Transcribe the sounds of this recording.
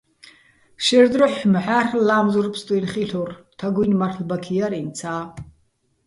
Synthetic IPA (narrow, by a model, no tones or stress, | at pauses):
ʃɛrd̪rɨħmħarlaːmzurpʰst̪ʼujnχiɬurtʰaɡʷujnmarɬbakʰijaɾint͡sʰaː